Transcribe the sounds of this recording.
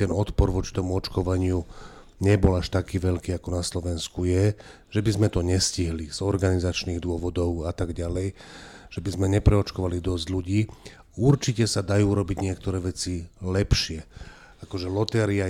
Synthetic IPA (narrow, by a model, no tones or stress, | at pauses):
t̪ɛnɔt̪pɔɾʋɔt͡ʃi̥t̪ɔmuɔt͡ʃkɔʋaɲɪu | ɲɛbɔlaʃt̪akiːʋɛʎkiːakɔnaslɔʋɛnskujɛ | ʒ̥ɛbizmɛt̪ɔɲɛsciɦliz̥ɔɾɡanizat͡ʃniːɣd̪ʊɔʋɔd̪ɔʊat̪aɡɟalɛjʒ̥ɛbizmɛɲɛpɾɛɔt͡ʃkɔʋalid̪ɔzɟluɟiː | uɾt͡ʃicɛsad̪ajuːɾɔbiɟɲɪɛk̚t̪ɔɾɛːʋɛt͡silɛpʃɪɛ | akɔʒɛlɔt̪ɛɾia